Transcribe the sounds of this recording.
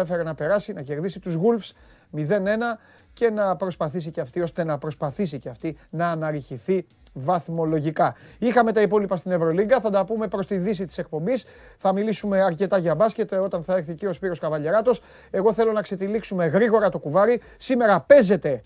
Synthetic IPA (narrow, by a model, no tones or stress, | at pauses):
efe̞ɾenɐpe̞ɾɐsinɐce̞ɾðisit̪uzɣulfs | miðe̞ne̞nɐ | ce̞nɐpɾo̞spɐθisiceɐft̪io̞st̪e̞nɐpɾo̞spɐθisiceɐft̪inɐːnɐɾiçiθi | vɐθmo̞lo̞ʝikɐixɐme̞t̪ɐipo̞lipɐst̪ine̞vɾo̞liŋɡɐθɐd̪ɐpume̞pɾo̞st̪iðis̬it̪i̥se̞k̚po̞mbis | θɐmilisume̞ɐɾce̞t̪ɐʝɐbɐsce̞t̪e̞o̞t̪ɐnθɐe̞ɾθicio̞spiɾo̞skɐvɐʎe̞ɾɐt̪o̞s | e̞ɣo̞θe̞lo̞nɐkse̞t̪iliksume̞ɣɾiɣo̞ɾɐt̪o̞kuvɐɾi | sime̞ɾɐpe̞ze̞t̪e̞